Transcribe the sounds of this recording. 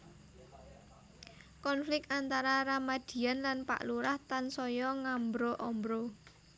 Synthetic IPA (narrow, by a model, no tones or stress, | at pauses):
kɔnflɪkant̪aɾaɾamad̪̥i̤anlanpa̰ʔluɾaht̪ansɔjɔŋambɾɔʔɔmbɾɔ